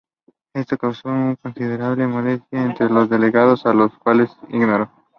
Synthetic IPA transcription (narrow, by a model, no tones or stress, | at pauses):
est̪okawsouŋkonsið̞eɾaβlemolest̪jaent̪ɾelozðeleɣað̞osaloskwalesḭɣnoɾo